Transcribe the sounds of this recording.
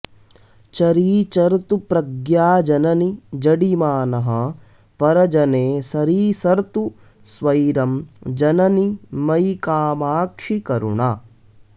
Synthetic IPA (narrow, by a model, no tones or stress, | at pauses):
t͡ʃɐɾiːt͡ʃɐɾt̪upɾɐɡjaːd͡ʒɐnɐnid͡ʒɐɽimaːnɐɦɐ | pɐɾɐd͡ʒɐneːsɐɾiːsɐɾt̪u | sʋɐjɾɐmd͡ʒɐnɐnimɐjkaːmaːkʂikɐɾṵɳaː